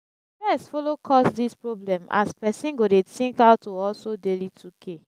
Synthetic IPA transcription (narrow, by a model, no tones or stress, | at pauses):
bɛsfolokʰɔsdispɹoblɛ̃mʔa̰spɛsĩnɡodetĩŋkawtːoɔlsodelitʰukʰe